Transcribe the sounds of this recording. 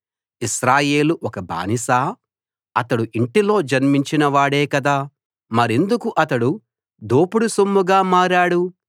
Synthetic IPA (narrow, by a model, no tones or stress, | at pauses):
iʃɾaːje̞ːluʔɔkɐba̰ːnisaː | ɐt̪ɐɽuʔiɳʈilo̞ːd͡ʒɐnmiɲt͡ʃinɐʋaːɽeːkɐd̪aː | mɐɾend̪ukuʔɐt̪ɐɽu | d̪oːpuɽusomːuɡaːmaːɾaːɽu